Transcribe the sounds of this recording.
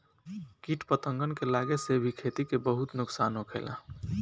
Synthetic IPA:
kiʈpət̪ə̃ŋɡənkelaɡesebʱikʰet̪ikebəɦut̪nʊksaːnokʰḛːla̰

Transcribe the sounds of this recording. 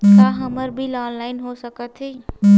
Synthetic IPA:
t̪aɦəməɾbʱilaːnlaːɪnɦosəkət̪ʰi

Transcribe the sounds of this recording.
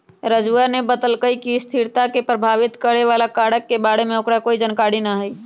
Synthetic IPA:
ɾəd͡ʒuanebəd̪əlkəikist̪ʰiɾt̪akepɾəbʱaːʋɪt̪kəɽeʋaːlakaːɽəkːebaːɽemẽokɾakoːid͡ʒənkaːɽinaɦɛi

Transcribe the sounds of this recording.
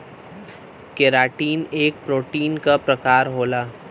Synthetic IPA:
keɾaːʈiːneːk̚pɾoːʈiːnkapɾɐkaːɾɦoːlaː

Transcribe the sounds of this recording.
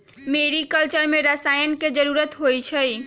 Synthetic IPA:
meɾikəlt͡ʃəɾmẽɾəsaːjənked͡ʒəɾuɾət̪ɦojt͡ʃʰəj

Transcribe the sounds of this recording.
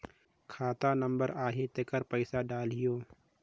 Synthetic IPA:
kʰaːt̪anə̃mbəɾaːɦet̪ekəɾpəɪsaɖaːlɦɪjoː

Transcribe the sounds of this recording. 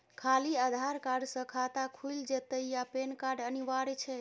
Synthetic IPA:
kʰaliəd̪ʱaɾkaɾɖsə̃kʰat̪akʰuld͡ʒet̪əijapenkaɾɖəniʋaɾt͡ʃʰɛ

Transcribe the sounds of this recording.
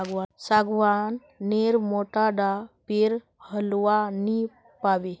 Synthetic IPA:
aɡʋasaɡʋanː | eɾmoʈaɖapeɾ | həlʋani | paʋe

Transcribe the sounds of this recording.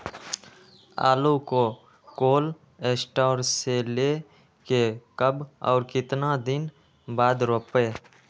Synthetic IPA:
a̰ːlukoː | koːl | eːsʈaːɾseleː | kekəbɔ̰ːɾkɪt̪nad̪ɪn | baːd̪ɾoːpeː

